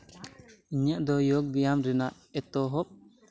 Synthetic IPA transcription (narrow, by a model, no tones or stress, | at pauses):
iɲaʔd̪ɔjɔɡ̚bijamɾɛnaʔ | ɛt̪ɔɦɔp̚